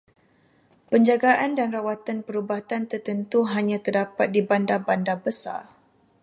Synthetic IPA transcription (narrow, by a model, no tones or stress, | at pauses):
pəɲd͡ʒaɡaʔandanrawat̪anpəɾubat̪ant̪ərt̪ənt̪uɦaɲãt̪ərdapat̪̚dibandabandabəsa̰r